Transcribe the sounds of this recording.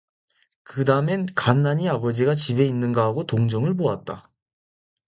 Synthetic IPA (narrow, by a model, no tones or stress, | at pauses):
kɯdamenkanːaɲiabʌd͡ʑiɡat͡ɕibe̞inːɯnɡaɦaɡotoŋd͡ʑʌŋɯɭboat̚t͈a